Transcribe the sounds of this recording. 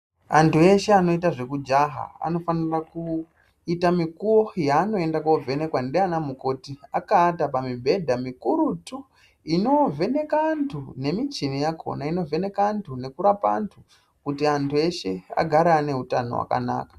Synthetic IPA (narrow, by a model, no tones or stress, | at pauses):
antue̞ʃe̞ano̞itaʐe̞kud͡ʒaɦa̰a̰no̞faniraku | itamikuwojaːno̞e̞ndakob͡vʱe̞ne̞kwandeanamuko̞tiakaːtapamibʱe̞dʱamikuɾutu | ino̞ve̞ne̞kantʰune̞mit͡ʃinijakʰo̰naino̞vʱene̞kantʰune̞kuɾapa̰ntʰu | kutiantʰue̞ʃe̞a̰ɡʱaɾaːne̞ɦutano̞̰wa̰ka̰na̰ːkḁ